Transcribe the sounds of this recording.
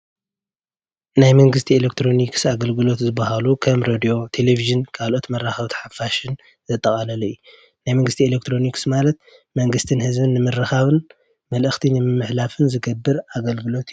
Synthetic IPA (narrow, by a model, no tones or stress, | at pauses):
najmɐŋɡɨst̪ʰielek̚t̪ʰɾo̞niksaɡɐlɡɨlo̞t̪zɨbːɐhalukʰɐmɾod̪io̞t̪ʰe̞leviʒɨnkʰalʔo̞t̪mɐraxɐβt̪ʰħafaʃɨn | zɐt̪ʼːɐkʼɐlɐlɐju | najmɐŋɡɨst̪ʰielek̚t̪ʰɾo̞niksmalɐt̪̚ | mɐŋɡɨst̪ʰɨnhɨzbɨnːɨmɨrːɨxaβɨn | mɐlʔɨxt̪ʰinɨmɨmːɨħlafɨnzɨɡɐbːɨɾaɡɐlɡɨlo̞t̪